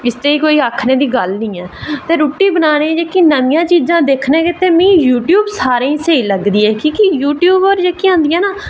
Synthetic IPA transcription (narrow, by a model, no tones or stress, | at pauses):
ɪst̪eːiːkoːiːaːkʰneːd̪iːɡəlnĩːɛːt̪eːɾuːʈiːbənaːnẽd͡ʒeːkiːnəmɪjãːt͡ʃiːzãːd̪eːkʰneːkɪt̪eːmĩːjuːʈjuːbsaːɾẽĩːseːiləɡd̪iːɛːkiːkɪjuːʈjuːbɔːɾd͡ʒeːkːiãːnd̪ijãːnaː